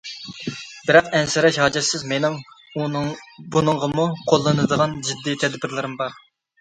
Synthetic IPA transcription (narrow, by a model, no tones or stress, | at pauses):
bɪɾɑqɛnsɪɾɛʃhɑːd͡ʒɛt̪sɪzmenɪm | bunɨɴʁəmuqʰolˠːɨnɨd̪əʁɑnd͡ʒɪd̪ːit̪ʰɛd̪bɪɾlɪɾɪmbɑɾ